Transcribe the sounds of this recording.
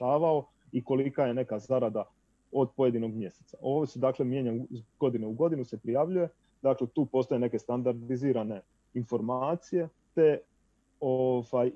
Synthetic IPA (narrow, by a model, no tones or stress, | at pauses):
aːʋao̞ | iko̞likaje̞ne̞kazaɾad̪a | o̞d̪̚po̞je̞d̪ino̞ɡmje̞se̥t̪saʔo̞ːʋosed̪aːkle̞mje̞ɲaɡo̞d̪ineuɡo̞d̪inuse̞pɾijaʋʎuje̞ | d̪aːklet̪uːpo̞st̪ojene̞ke̞st̪and̪aɾd̪iziːɾane̞ | info̞ɾmaːt̪sije̞ | t̪e̞ | ovaj